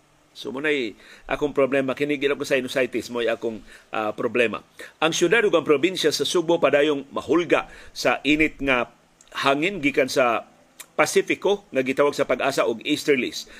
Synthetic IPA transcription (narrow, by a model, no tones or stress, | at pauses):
so̰mʊnajʔa̰ːkʊŋpɾoblɛmakɪnɪɡɪnakosaɪnosajt̪ɪsmoajaːkʊŋʔapɾoblɛma̰ʔaŋsjʊd̪ad̪ʊɡaŋpɾobinʃasasʊɡopad̪aːjʊŋmaɦʊlɡaʔsaʔinɪt̪̚ŋa | haːŋɪnɡiːkansa | pasifɪkoŋaɡɪt̪awaɡ̚sapaɡʔaːsaʔʊɡist̪ɛɹlḭs